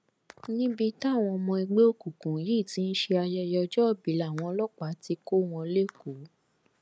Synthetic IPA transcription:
nĩ˦bi˧ta˦˨w̃ɔ̃˧mɔ̃˧i˧ɡ͡be˦o˧ku˨kũ˨ji˦˨tĩ˧˦n̩˦ʃe˧a˧jɛ˧jɔ˧d͡ʒɔ˦ɔ˦˨bi˨˦la˨w̃ɔ̃˧lɔ˦k͡pa˨˦ti˧ko˦w̃ɔ̃˧le˦ku˨˦

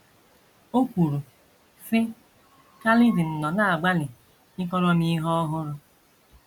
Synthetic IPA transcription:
o˦kʷu˨ɾu˨ | fɪ˦ | ka˦lɪ˦dɪ˨n̩˨nɔ˨na˦a˨ɡ͡ba˦lɪ˨ | ɪ˦kɔ˦lɔ˦mi˦ɦɔ˦ɔ˦ɦʊ˦ɾʊ˦

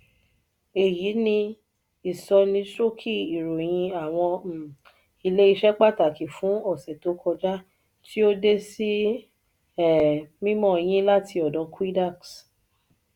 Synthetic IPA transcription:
e˨ji˨˦nĩ˧ | i˨sɔ˧nĩ˧tɾo˦kʰi˦˨i˨ɾo˨j̃ĩ˧a˨w̃ɔ̃˧˨ | i˧le˦i˧ʃɛ˦k͡pa˦˨ta˨ki˨fũ˨˦ɔ˦˨sɛ˨to˨˦kɔ˧d͡ʒa˦ | ti˦o˦de˦si˦ | ɛ˦˨mĩ˦mɔ̃˦˨˧j̃ĩ˦la˦tʰi˧ɔ˨dɔ̃˨˦ku˦i˦da˦˨ks

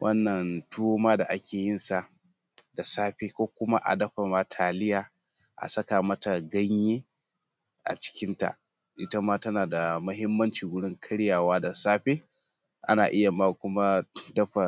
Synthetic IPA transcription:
wʔɐ˦nːɐ˨ntu˦o˦maː˦da˨ʔa˦kʲeː˨jɪ˦nsa˨ʔ | da˨saː˦ɸeː˦kʷoː˦kʷʊ˦ma˦ʔa̰˨dɐ˦ɸa˨maː˦tʰaː˨lɪ˦jaː˨ | ʔa̰˨sɐ˦kaː˨mɐ˦ta˨ɡɐ˦ɲjeː˦ | ʔa̰˨t͡ʃɪ̥˦kʲɪ˦nta̰˨ | ʔɪ˦ta˦maː˦tɐ˦naː˨da˨mɐ˦ɦɪ˦mːɐ˦nt͡ʃiː˨ɡʊ˦ɽɪ˦ŋkʰɐ˦ɽjaː˨waː˦da˨saː˦ɸeː˦ | ʔa̰˦naː˨ʔɪ˦ja˨maː˦˨kʷʊ˦ma˦dɐ˦ɸa˨

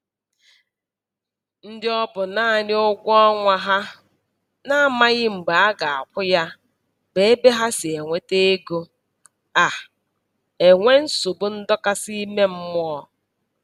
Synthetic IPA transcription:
n̩˦dɪ˦ɔ˦bʊ˨na˦˨ɲɪ˦o˦ɡʷɔ˦ŋʷa˦ɦa˦ | na˦˨ma˦ɣɪ˦m̩˨ɡ͡ba˨a˦ɡa˨a̰˨kʷʊ˦ja˦ | be˦e˦be˦ɦa˦sɪ˨e˨ŋʷe˦te˦e˦ɡo˦ | a˨ | e˨ŋʷe˦n̩˦su˨bʊ˦n̩˦dɔ˦ka˦si˦me˦m̩˦mʊ˦ɔ˦

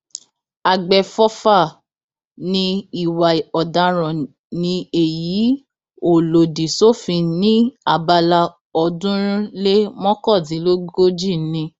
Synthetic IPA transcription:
a˨ɡ͡bɛ˨fɔ˦fa˦˨ | nĩ˧i˨wa˨ɔ˨da˨˧ɾ̃ɔ̃˨ | nĩ˧e˨ji˨˦ | o˨lo˨di˨so˦fĩ˧nĩ˦a˦˨ba˧la˧ | ɔ˧dũ˦ɾ̃ĩ˦le˦mɔ̃˦kɔ˦˨tĩ˨˦lo˦ɡɡo˦d͡ʒi˦˨˦nĩ˧˦

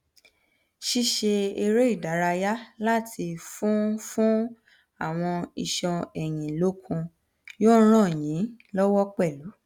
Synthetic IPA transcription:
ʃi˦ʃe˧e˧ɾe˦i˦˨da˨˦ɾa˧ja˦la˦tʰi˧fũ˦fũ˦ | a˦˨w̃ɔ̃˧i˧˨ʃɔ̃˧ɛ˨j̃ĩ˨lo˦kʰũ˧ | jõ˦ɾ̃ã˦˨jĩ˨˦lɔ˦wɔ˦k͡pɛ˦˨lu˨˦

